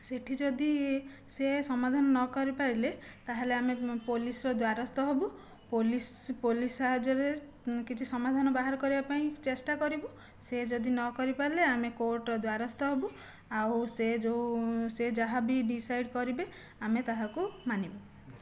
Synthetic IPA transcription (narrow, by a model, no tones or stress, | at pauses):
seʈʰid͡ʒɔd̪i | sesɔmad̪ʱanɔnɔkɔɾipaɾilet̪aɦeleamepolisɔɾɔd̪waɾɔst̪ɔɦebu | polispolisaɦad͡ʒɔɾe | kit͡ʃʰisɔmad̪ʱanɔbaɦaɾɔkɔɾibapaĩt͡ʃesʈakɔɾibu | sed͡ʒɔd̪inɔkɔɾipaɾileamekoɾʈɾɔd̪waɾɔst̪ɔɦebu | awsed͡ʒosed͡ʒaɦabiɖisajɖkɔɾibe | amet̪aɦakumanibɔ